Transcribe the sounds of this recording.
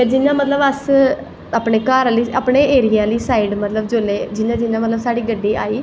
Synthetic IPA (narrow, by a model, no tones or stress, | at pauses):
jaːd͡ʒɪnãːmət̪ləbəs | aːpɳeːkaːɾliːaːpɳeːeːɾijaːliːsaːiːɖmət̪ləbd͡ʒoːleːd͡ʒɪnãːd͡ʒɪnãːmət̪ləbsaːɽiːɡəɖːiːa̰ːiː